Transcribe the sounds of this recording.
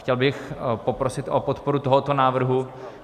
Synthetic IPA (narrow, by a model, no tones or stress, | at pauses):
cɛlbɪxpopɾosɪt̪ʔopot̪poɾut̪oɦot̪onaːvr̩ɦu